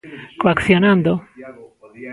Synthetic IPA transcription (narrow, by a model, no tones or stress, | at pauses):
koakθjonãnd̪o